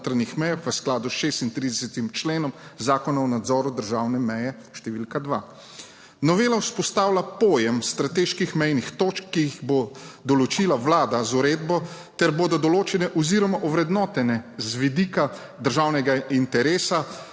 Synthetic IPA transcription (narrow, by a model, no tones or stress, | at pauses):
t̪ɾanixmɛjaxʋəsklaːd̪usʃeːst̪int̪ɾid̪ɛsɛt̪imt͡ʃleːnɔmzaːkɔnaɔnad̪zɔːɾud̪əɾʒawnɛmɛjɛ | ʃt̪ɛʋilkad̪ʋa | nɔʋeːlauspɔst̪aːwlapɔːjɛmst̪ɾat̪eʃkixmɛjnixt̪ot͡ʃkːiiɣbod̪ɔlɔt͡ʃiːlaʋlaːd̪azuɾeːd̪bɔ | t̪ɛɾboːd̪ɔd̪ɔloːt͡ʃɛnɛʔɔziɾɔmaʔɔʋɾɛd̪nɔt̪ɛnɛzʋid̪ika | d̪əɾʒaːwnɛɡaint̪ɛɾeːsa